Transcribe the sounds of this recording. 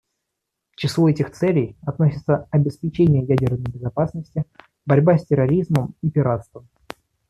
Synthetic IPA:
ft͡ɕɪslˠuɛtʲɪxt̪sɛlʲɪjɐt̪nosʲɪt̪səɐbʲɪspʲɪt͡ɕenʲɪjəjædʲɪrnəjbʲɪzɐpasnəsʲtʲɪ | bɐɾʲbasʲtʲɪɾɐɾʲizməmipʲɪɾat̪st̪vəm

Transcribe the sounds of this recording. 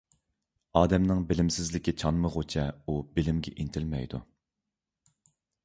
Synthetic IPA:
ɑːd̪ɛmnɨŋbɪlɪmsɪzlɪkʲit͡ʃʰɑnmɨʁot͡ʃʰɛubɪlɪmɡʲɛ̰ʔint̪ʰɪlmɛ̰jd̪ṵ

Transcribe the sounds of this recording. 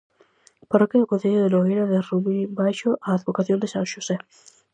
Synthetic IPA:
poɾokeokõn̟θeʎʊðeloinaðerumibajʃʊʔaːðβokaθjõnd̪esãŋʃuse

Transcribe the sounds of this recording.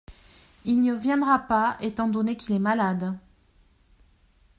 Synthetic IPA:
ilnəvjɛ̃d̪ʁapaet̪ɑ̃d̪ɔnekilɛmalad̪

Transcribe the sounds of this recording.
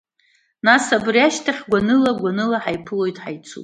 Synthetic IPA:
nasabriaʃtʰaχʲɡʷanɨlaɡʷanɨlaħajpʰɨlo̞jtʼħajt͡sʰṵpʼ

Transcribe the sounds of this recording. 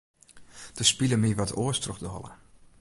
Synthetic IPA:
d̥əspiləmiʋɔtʰoəstrɔxdɔlˠə̰

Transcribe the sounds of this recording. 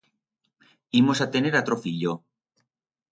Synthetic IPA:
imosat̪eneɾat̪ɾofiʎo

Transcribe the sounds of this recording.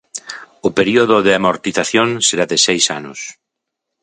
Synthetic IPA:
ʊpeɾioðʊðɪamoɾt̪iθaθjoŋseɾaðɪsejsa̰nʊs

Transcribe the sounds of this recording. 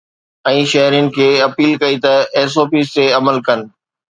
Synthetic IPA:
ɛ̃ːʃɐɦɾijənɪ̆kʰeːɐpiːlkɐit̪ɐeːs̬oːpiːst̪eɐməlkɐn̆

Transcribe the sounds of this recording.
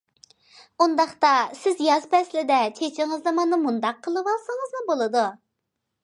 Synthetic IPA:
und̪ɑχt̪ɑsɪzjɑzpʰɛslɪd̪ɛt͡ʃʰet͡ʃʰɪŋəznɨmɑnɨmund̪ɑqʰːəlˠɨwɑlˠsəŋəzmɨbolˠɨd̪u

